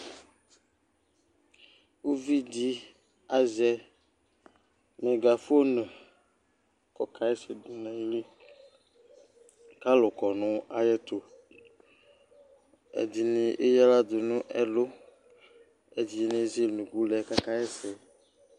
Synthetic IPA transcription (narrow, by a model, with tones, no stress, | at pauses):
wu˦vi˦di˦ | a˦zɛ˦ | me˨ɡa˨fo˦nə̃˨ | kɔ˦kʰa˦ɛ˦sɛ˨du˨nɛ̃˨˦li˦ | ka˦lo˨kɔ˨nʊ̃˦a˨jɛ˦t̪o˨ | ḛ˨di˨nĩ˨ʔe˦jɛ˦la˦d̪ʊ˨nũ˦ʔɛ˦lo˦ | e˨di˨e˦nẽ˦ze˦nũ˨ɡu˦lɛ˨ka˦ka˦ɛ˦sɛ˨